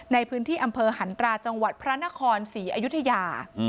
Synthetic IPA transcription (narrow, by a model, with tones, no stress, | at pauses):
na˧jpʰɯː˦˥nt̪ʰiː˥˩ʔa˧mpʰɤː˧ɦa˩˦nt̪ɾaː˧t͡ɕa˧ŋwa˨˩t̪̚pʰɾa˦˥na˦˥kʰɔː˧nsiː˩˦ʔa˧ju˦˥t̪ʰːa˧jaː˧